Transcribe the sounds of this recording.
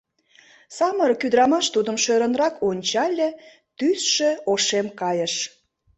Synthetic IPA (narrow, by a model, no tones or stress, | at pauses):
sɑməɾkyd̪ɾɑmɑʃt̪ud̪əmʃøɾə̆nrɑkonʲt͡ɕɑlʲĕ | t̪ysʃeoʃemkɑjəʃ